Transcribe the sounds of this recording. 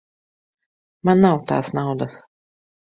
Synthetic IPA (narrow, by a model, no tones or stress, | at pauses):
manːawt̪a̰ːsnawd̪as